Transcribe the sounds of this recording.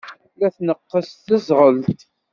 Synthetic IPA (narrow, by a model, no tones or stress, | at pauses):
læθnəqːəsθəzʁəltt̪